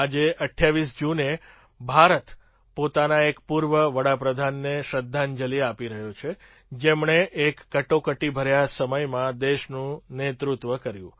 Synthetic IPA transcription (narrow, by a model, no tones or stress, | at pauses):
ad͡ʒeʔəʈʰːjaʋisd͡ʒune | bʱaɾət̪ | pot̪anaekpuɾʋəʋəɽapɾəd̪ʱanːeʃəd̪ʱːand͡ʒəliapiɾəɦjõt͡ʃʰe | d͡ʒemɳeʔekːəʈokəʈibʱəɾjasəməjmãd̪eʃnũnet̪ɾut̪ʋəkəɾjũ